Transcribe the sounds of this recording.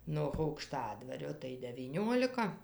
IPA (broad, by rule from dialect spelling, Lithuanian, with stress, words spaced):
noːx ɐʊkˈʃtɑːdʋɐrʲoː tɐɪ dʲɛʋʲiːˈnʲoːlʲɪkɐ